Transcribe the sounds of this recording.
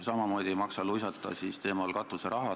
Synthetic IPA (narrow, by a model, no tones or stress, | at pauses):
sɑmɑmo̞ːd̪̥ʲimɑksɑlujsɑt̪ːˑɑ̰sist̪e̞ːmɑlkɑtt̪ːˑuseɾʔɑɦɑ